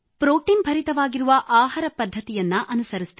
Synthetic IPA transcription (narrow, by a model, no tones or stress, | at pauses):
pɾoːʈinbʱɐɾit̪ɐʋaːɡiɾuʋɐʔaːɦɐɾɐpɐd̪ʱːɐt̪ijɐnːuʔɐnusɐɾist̪